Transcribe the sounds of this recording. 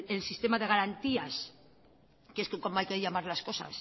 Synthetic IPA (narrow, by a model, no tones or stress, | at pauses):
elsist̪e̞maðe̞ɣ̞aɾant̪ias | keskekomoajkeʎamaɾlasko̞sa̰s